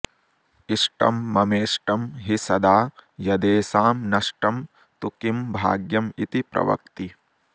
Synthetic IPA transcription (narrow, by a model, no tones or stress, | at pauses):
iʂʈɐ̰mːɐmeːʂʈɐmɦisɐd̪aːjɐd̪eːsaːmnɐʂʈɐm | t̪ukimbʱa̰ːɡjɐmit̪ipɾɐ̰ʋɐ̰kt̪i